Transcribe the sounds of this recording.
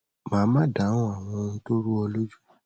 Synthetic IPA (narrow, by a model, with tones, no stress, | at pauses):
mãː˨˦mã˦da˨˦ɔ̃˦a˨w̃ɔ̃˧nĩ˧˦to˦ɾu˦ɔ˧lo˦d͡ʒu˦